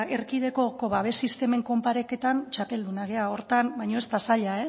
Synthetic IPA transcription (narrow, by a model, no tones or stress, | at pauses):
e̞ɾkiðe̞ko̞ko̞βaβ̞e̞sist̪e̞me̞ŋko̞mpaɾe̞ke̞t̪ant͡ʃape̞ld̪unaɣ̞e̞ao̞ɾt̪ambajɲo̞e̞st̪asaʎae